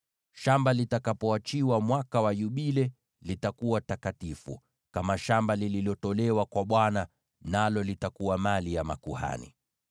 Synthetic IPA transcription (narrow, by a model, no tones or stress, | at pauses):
ʃambalitakapɔat͡ʃiwamwakawajuɓilɛ | litakuwatakatifṵ | kamaʃambalililɔtɔlɛwakwaɓwana | nalɔlitakuwamalijamakuha̰nḭ